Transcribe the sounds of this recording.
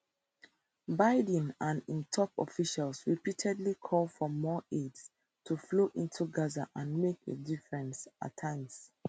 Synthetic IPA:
baɪdĩnãnĩntʰɔpɔ̰fiʃalsɹipitʰɛdlikʰɔlfɔmɔeds | tʰufloʔĩntʰuɡaza̰ʔãnmekḛdifɹɛ̃nsa̰tʰːãɪ̃ms

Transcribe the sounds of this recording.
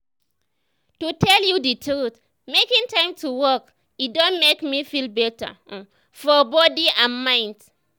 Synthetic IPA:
tutʰɛljuditʰɾut | mekĩŋtãɪ̃mtʰuwɔk | idɔ̃nmekmifilbɛtə̰ | fɔbɔdiãnmãɪ̃nd

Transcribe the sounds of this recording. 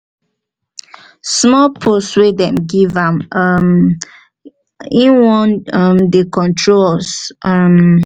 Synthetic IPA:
smɔpʰoswedɛ̃mɡivãmm | ĩnwɔ̃nʌmdekɔ̃ntʰɹolsʌm

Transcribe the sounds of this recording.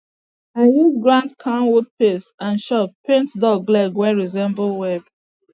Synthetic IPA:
iwuɡɹãndkʰãnwud̚pesãnʃɔppẽntdɔɡlɛɡwɛɹizɛ̃mbl̩wɛb̥

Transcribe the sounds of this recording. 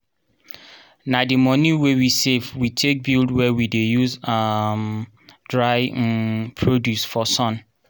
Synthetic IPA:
nadimɔ̃niwewisevwitʰek̚bildwɛwidejuzam | dɹaɪpʰɹodjusfɔsɔ̃n

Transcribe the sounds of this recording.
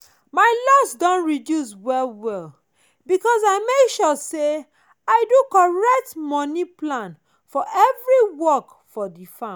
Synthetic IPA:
maɪlɔsdɔ̃nɹidjus̬wɛlwɛl | bikɔsaɪmekʃɔse | aɪdukɔɹɛk̚tmɔniplãn | fɔʔɛvɹiwɔk | fɔdifã

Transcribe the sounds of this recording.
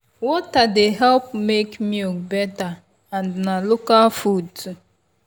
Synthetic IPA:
wɔtadeɦɛlp̚mekmukbɛta | ãnnalokalfud̚tu

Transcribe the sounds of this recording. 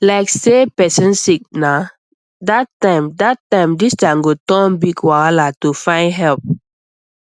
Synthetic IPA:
laɪksepɛsə̃nsik̚na | datːãɪ̃mdatːãɪ̃mdistaŋɡotɔ̃nbiɡwalatufãɪ̃nɦɛlp̚

